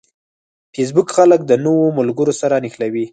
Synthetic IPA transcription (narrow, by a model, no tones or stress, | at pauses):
fes̬bʊkxalək̚d̪ənowomʊlɡəɾosaɾanixlawi